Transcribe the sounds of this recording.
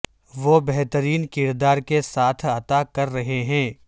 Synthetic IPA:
ʋobɛɦt̪əɾiːnkɪɾd̪aːɾkesaːt̪ʰɐt̪akɐɾːɐɦeɦɛ̃ː

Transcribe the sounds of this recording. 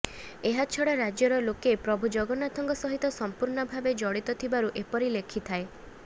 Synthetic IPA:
eɦat͡ʃʰɔɽaɾad͡ʒjɔɾɔlokepɾɔbʱud͡ʒɔɡɔnat̪ʰɔŋɡɔsɔɦit̪ɔsɔmpuɾɳɔbʱabed͡ʒɔɽit̪ɔt̪ʰibaɾuʔepɔɾilekʰit̪ʰae

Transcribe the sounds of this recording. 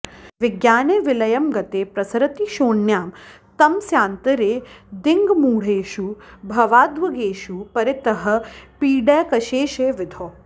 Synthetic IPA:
ʋɪɡjaːneːʋɪlɐjɐmɡɐt̪eːpɾɐsɐɾɐt̪iʃoːɳjaːm | t̪ɐmsjaːnt̪ɐɾeːd̪ɪŋɡmuːɽ̤eːʃubʱɐʋaːd̪ʋɐɡeːʃupɐɾɪt̪ɐɦɐ̆piːɖɛːkɐʃeːʃeːʋɪd̪ʱoː

